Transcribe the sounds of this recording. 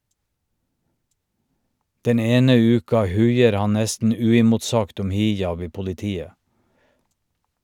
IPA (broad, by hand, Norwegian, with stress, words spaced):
ˈdɛn ˈeːnə ˈʉːkɑ ˈhʉɪəɾ ˈhɑn ˈnɛstn̩ ˈʉːɪmʊtˌsɑɡt ˈɔm ˈhɪˌjɑb ˈiː pʊlɪˈtiːə